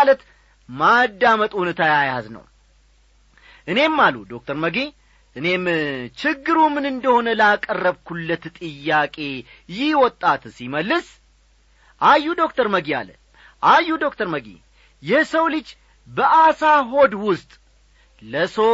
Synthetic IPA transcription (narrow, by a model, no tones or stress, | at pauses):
alət̪ | mad̪ːamət̪ʼhunət̪ʰajajaznə̰w | ʔɨne̞mːalud̪o̞k̚t̪ʰəɾməɡi | ʔɨne̞mt͡ʃɪɡːɨɾumɨnɨnd̪əho̞nəlakʼərːəβkʰulːət̪t̪ʼɨjːakʼe̞ | jɪwɔt̪ʼːat̪siməlːɨs | ʔajːud̪o̞kt̪ʰəɾməɡia̰lə̰ | ʔajːud̪o̞kt̪ʰəɾməɡḭ | jɛsəwlɨd͡ʒ | bəʔasaɦo̞d̪wʊst̪ʼ | ləso